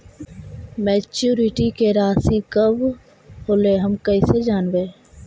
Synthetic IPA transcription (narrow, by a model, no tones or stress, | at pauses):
mɛːt͡ʃuːɾɪʈikeɾaːsikəb | hoːleɦəmkəised͡ʒaːnʋeː